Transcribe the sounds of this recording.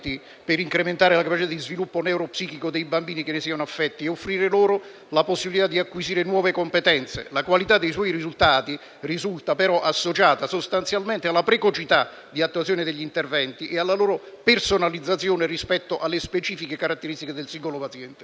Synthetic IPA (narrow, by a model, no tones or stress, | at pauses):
t̪i | pɪɾiŋkɾement̪aːɾelakapat͡ʃit̪ad̪izvilupːonɛwɾopsiːkikod̪ejbambiːnikenːesiːanoafːɛt̪ːieofːɾiːɾeloːɾʊ | laposːibilit̪ad̪iakːwiziːɾenwɔːvekompet̪ɛnt̪sḛlakwalit̪ad̪ːejswɔːjɾizult̪aːt̪i | rizult̪apeɾɔʔasːot͡ʃaːt̪asost̪ant̪sjalment̪ealːapɾekot͡ʃit̪a | d̪iat̪ːwat̪sjoːnɪd̪eʎːint̪ervɛnt̪iʔealːaloːɾo | personalid̪zːat̪sjoːnerispɛt̪ːoʔalːespet͡ʃiːfikekaɾat̪ːeɾist̪iked̪elsiŋɡolopat̪sjɛnt̪e